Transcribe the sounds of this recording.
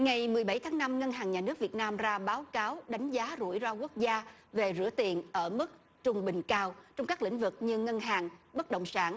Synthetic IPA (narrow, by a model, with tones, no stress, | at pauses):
ŋa˨˩jmɨ˨˩əjɓa˧˩jt̪ʰaː˨˦ŋna˧mŋə˧nɦaː˨˩ŋɲaː˨˩nɨ˦˥ək̚vi˨˩ət̚naː˧mzaː˧ɓaː˨˦wkaː˨˦wɗa˨˦jŋ̟zaː˨˦zṵ˧˩jzaː˧ku˦˥ək̚zaː˧ve˨˩zɨ̰˧˩ət̪i˨˩ənʔəː˧˩mɨ˦˥k̚ | t͡ɕʊ˨˩ŋ͡mɓï˨˩ŋ̟kaː˧wt͡ɕɔ˧wŋ͡mkaː˦˥k̚lḭ̈˧˥ŋ̟vɨ˨˩k̚ɲɨ˧ŋə˧nɦaː˨˩ŋɓə˦˥t̚ɗə̰˧˨wŋ͡msaː˧˩n